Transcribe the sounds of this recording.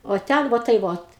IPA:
oː ˈtʲɛn ˈʋoː tɐɪ ˈʋoːt

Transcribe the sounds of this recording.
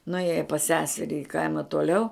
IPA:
nʊˈeːjɛ pɐs ˈsʲæːsʲɛrʲɪ ɪ ˈkɐɪmɐ tuɔˈlʲɛʊ

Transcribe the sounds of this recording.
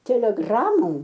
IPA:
tʲɛlʲɛˈɡrɑːmoːm

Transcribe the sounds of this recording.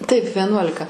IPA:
tɐɪp ʋʲɛˈnuɔlʲɪkɐ

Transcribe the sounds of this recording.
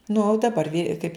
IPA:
nʊ dɐˈbɐr ʋʲiːr kɐɪp

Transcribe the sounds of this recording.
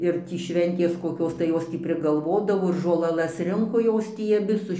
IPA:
ɪr ˈtʲiː ˈʃʲʋʲɛnʲtʲeːs koːˈkʲoːs tɐɪ ˈjoːs tʲiː pʲrʲɪɡɐlˠˈʋoːdɐʋoː ɪr ʒoːlˠɐˈlˠɐs ˈrʲɪŋkoː ˈjoːs tʲiː ɐˈbʲɪ sʊ

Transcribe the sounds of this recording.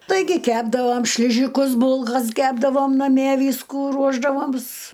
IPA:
ˈtɐɪɡʲɪ ˈkʲæːbdɐʋoːm ʃʲlʲɪˈʒʲɪkʊs ˈbʊlˠkɐs ˈkʲæːbdɐʋoːm nɐˈmʲiɛ ˈʋʲiːskuː ˈruɔʒdɐʋoːms

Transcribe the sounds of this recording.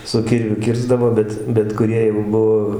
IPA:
sʊ ˈkʲɪrʲʋʲʊ ˈkʲɪrzdɐʋoː ˈbʲɛt bʲɛt kʊˈrʲiɛ jɛʊ ˈbʊʋoː

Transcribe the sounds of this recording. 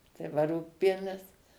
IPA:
tɐɪ ˈʋɐ ˈruːkpʲiɛnʲɪs

